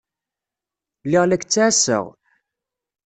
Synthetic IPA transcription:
lɪʁlækt͡sːasə̰ʁ

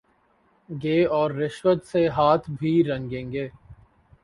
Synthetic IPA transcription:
ɡeːɔːɾːɪʃwət̪seɦaːt̪ʰbʱiːɾɐ̃ŋɡẽːŋɡeː

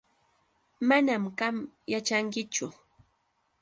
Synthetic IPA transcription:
manamɢamjat͡ʃaŋkɪt͡ʃʊ

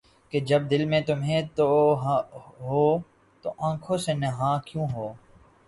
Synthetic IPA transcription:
ked͡ʒɐb̚d̪ɪlmẽt̪ʊmɦẽt̪oɦɦoː | t̪oʔãːkʰõsenɐɦãːkjũːɦoː

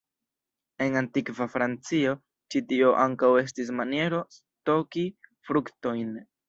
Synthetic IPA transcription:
e̞ŋantikvafɾant͡sio̞ | t͡ʃitio̞ʔaŋkawe̞s̬tis̬manie̞ɾo̞s | to̞kifɾukto̞jn

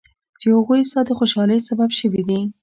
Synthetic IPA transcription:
d̪əhʊɣujsɑd̪əxoʃɑləjsababʃəwid̪i

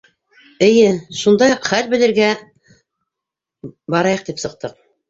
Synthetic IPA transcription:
ɘ̆jɘʃund̪ɑjχælbɘ̆lɘ̆ɾɡæ | bɑɾɑjɤq̚t̪ipsɤ̆q̚t̪ɤq̚

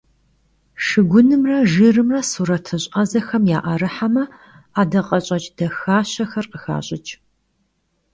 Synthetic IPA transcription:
ʂɨɡʷʊnɨmrɐʒɨrɨmrɐsuːɾɐtʰɨɕʼɐzɐxɐmjaːʔɐɾɨħamɐ | aːdɐqʼɐɕʼɐt͡ʃʼd̥ɐxaːɕɐxɐrqəxa̰ːɕʼɪt͡ʃʼ

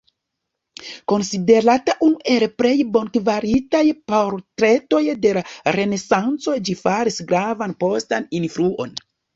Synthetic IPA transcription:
ko̞nside̞ɾataʔunuʔe̞lpɾe̞jbo̞nkvaɾitajpoɾtɾe̞to̞jde̞laɾe̞ne̞sant͡so̞d͡ʒifaɾisɡɾavanpo̞staninfɾuo̞̰n

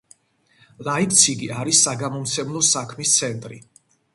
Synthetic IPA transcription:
laipt̪sʰiɡiaɾisːaɡamɔmt̪sʰɛmlˠɔsakʰmist̪sʰɛnt̪ʼɾḭ

